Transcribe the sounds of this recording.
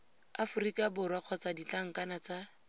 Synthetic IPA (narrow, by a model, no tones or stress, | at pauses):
afʊrikʼabʊrwaq͡χʰɔt͡sadit͡ɬaŋ̩kanat͡sa